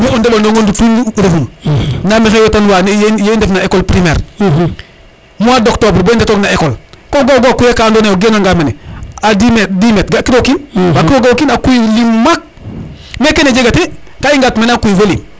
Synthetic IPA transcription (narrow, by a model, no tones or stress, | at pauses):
miɔndebolnoŋondutunlofumnamixejotanwanjjendefnaekolpɾimeːɾ | muadoktobɾbondetɔknaekolkoɡoɡokujakaːndonejoɡenoŋɡameneadimedimetɡakidokinbakioɡakinakujilimmak̚ | mekened͡ʒeɡate | kaiŋɡatmenakujivolim